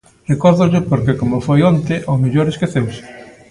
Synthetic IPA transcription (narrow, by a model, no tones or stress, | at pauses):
rekɔɾðʊʎɪpoɾkekomofojont̪eʔomeʎoɾeskeθewsɪ̥